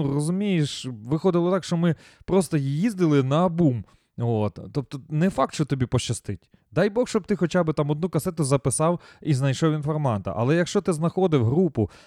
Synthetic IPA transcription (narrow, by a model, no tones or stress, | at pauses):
rɔzʊmʲijeʃʋɪxɔd̪ɪlˠɔt̪ɑkʃt͡ʃɔmɪ | pɾɔst̪ɔjjizd̪ɪlˠɪnɐɐbum | ot̪ːɔp̚t̪ɔnɛfɑk̚t̪ʃt͡ʃɔt̪ɔbʲipɔʃt͡ʃːɐst̪ɪtʲ | d̪ɑjbɔxʃt͡ʃɔb̚t̪ɪxɔt͡ʃabɪt̪ɑmɔd̪nukɐsɛt̪ʊzɐpɪsɑwiznɐjʃɔwʲinfɔrmɑnt̪ɐ̰ʔɐ̰lˠɛjɐkʃt͡ʃɔt̪ɪznɐxɔd̪ɪwɦɾupʊ